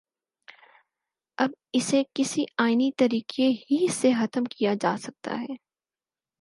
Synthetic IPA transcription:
ɐbɪsekɪsiaːɪnit̪ɐɾiːqʰeɦisexɐt̪əmkijad͡ʒaːsɐk̚t̪a̰ɦɛː

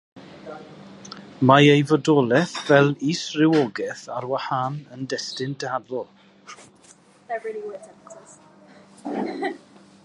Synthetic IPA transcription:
maejvɔdɔlˠɛθvɛlˠiːsrɪwɔɡɛθarwahanəndɛstɪndʰɛadlɔlˠ | ɛvil

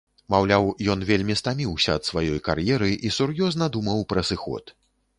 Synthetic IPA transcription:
mawlʲawjɔnvʲelʲmʲist̪amʲiwsʲɐːt̪svajɔjka̰rjɛɾɨʔisurjɔznɐd̪umɐwpɾɐsɨxɔ̰t̪

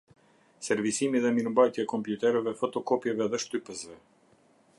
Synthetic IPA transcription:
sɛɾvisimiðɛminmbajt̪jaɛkɔmpjut̪ɛɾɛvɛfɔt̪ɔkɔpjɛvɛðɛʃt̪ypəsvɛ

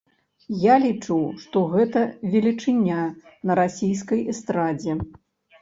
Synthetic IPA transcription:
jalʲit͡ʂuwʂt̪ɔɣɛt̪ɐvʲɛlʲit͡ʂɨnʲːanɐɾasʲijskɐjɛst̪ɾad͡zʲɛ

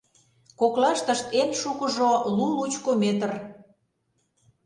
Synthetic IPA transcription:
koklɑʃt̪ə̆ʃt̪enʃukə̆ʒolulut͡ɕkomet̪ər

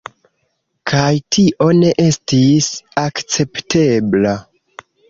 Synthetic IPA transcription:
kʰajtʰiʔo̞ne̞ʔe̞stisakt͡se̞pte̞bla

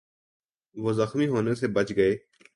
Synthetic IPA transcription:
ʋoːzəxmiːɦoːnesebət͡ʃɡəeː

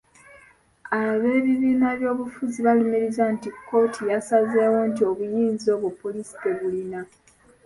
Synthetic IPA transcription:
aβe̞ːβiβiːnaβjo̞ːβufuziβalumeɾizantikːo̞ːtʰijasazeːwont̬io̞βujiːnzio̞ːβupːo̞lisi̥keβulina

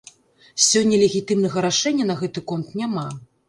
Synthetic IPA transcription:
sʲɔnʲːɐlʲeɣʲit̪ɨmnɐɣɐɾaʂɛnʲːɐnɐɣɛt̪ɨkɔnt̪nʲama

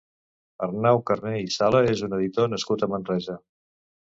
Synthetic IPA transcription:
ərnawkərneisaləezunəðit̪onəskut̪əmənrɛzə

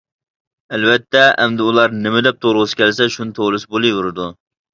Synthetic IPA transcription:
ɛlvɛt̪ʰːɛɛ̰md̪ɪulˠɑɾnɪmɪd̪ɛp̚t̪ʰoɾʁʊsɪ̥kʲʰɛlsɛʃunɪt̪ʰolˠɨsbolˠɨjuɾɨd̪u

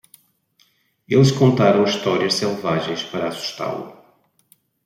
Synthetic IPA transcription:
elˠʃkõnt̪aɾɐ̃w̃iʃt̪ɔɾiɐʃsɛlˠvaʒẽj̃ʃpɐɾɐːsu̥ʃt̪a̰lˠṵ

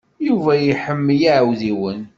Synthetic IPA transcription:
juvæjiħəmːjiʕwðiwən

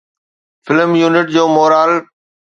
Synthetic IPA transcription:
fɪləmjuːnɪʈ̚d͡ʑoːmoːɾaːl

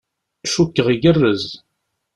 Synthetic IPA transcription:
ʃukːəʁiɡərːəz

